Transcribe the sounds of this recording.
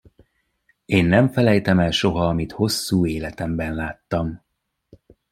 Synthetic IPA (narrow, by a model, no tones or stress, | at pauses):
eːnːɛɱfɛlɛjt̪ɛmɛlʃo̞ɦɒːmit̪ho̞sːuːeːlɛt̪ɛmbɛnlaːt̪ːɒm